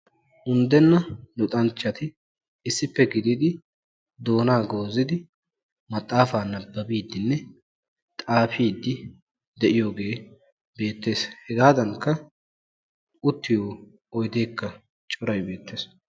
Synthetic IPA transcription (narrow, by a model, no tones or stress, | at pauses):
ʔʊnd̪ɛnːɐnʊt̪ʼɐnt͡ʃːɐt̪ɪ | ɪsːɪpːɛɡɪd̪iːd̪ɪ | d̪o̞ːnaːɡo̞ːzɪd̪ɪ | mɐt̪ʼːaːfaːnɐbːɐbiːd̪ːɪnːɛ | t̪ʼaːfiːd̪ːɪ | d̪ɛʔɪjo̞ːɡe̞ː | be̞ːt̪ːe̞ːshɛɡaːd̪ɐŋkːɐ | ʔʊt̪ːɪjoː | ɔjd̪e̞ːkːɐ | t͡ʃʼɔɾɐjbe̞ːt̪ːe̞ːs